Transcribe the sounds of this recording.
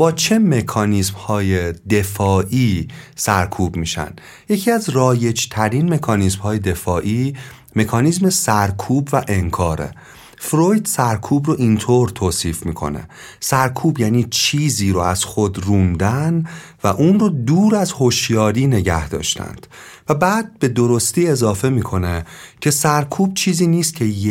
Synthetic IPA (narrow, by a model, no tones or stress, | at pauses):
b̥ɒːt͡ʃʰe̞me̞kʰɒːnismhɒːje̞d̪e̞fɒːʔiːsæɾkʰuːbmiːʃæ̰nd̪ | je̞cʰiːæzrɒːje̞d͡ʒt̪ʰæɾinme̞kʰɒːnismhɒːje̞d̪e̞fɒːʔiː | me̞kʰɒːniːzme̞sæɾkʰuːbvæʔe̞ŋkʰɒːɾḛ | fɾojd̪sæɾkʰuːbroʔint̪ʰoɾt̪ʰoːsiːfmiːkʰo̞̰ne̞̰ | sæɾkʰuːbjæːniːt͡ʃʰiːziːɾoæz̥xod̪ruːnd̪æn | væʔuːnrod̪uːɾæzho̞ʃjɒːɾiːne̞ɟæ̰hd̪ɒ̰ːʃt̪ʰæ̰nd̪̥ | væbæːd̪̚be̞d̪o̞ɾo̞st̪iːe̞zɒːfe̞miːkʰo̞necʰe̞sæɾkʰuːb̚t͡ʃʰiːziːniːst̪cʰe̞j